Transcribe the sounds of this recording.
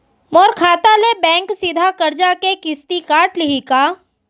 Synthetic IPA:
mɔːɾkʰaːt̪alebɛ̃ːŋksɪd̪ʱakɐɾd͡ʒakekɪst̪ikaːʈlɪɦikaː

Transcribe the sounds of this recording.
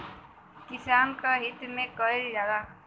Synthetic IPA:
kisankaɦit̪mekʌild͡ʒad̪a

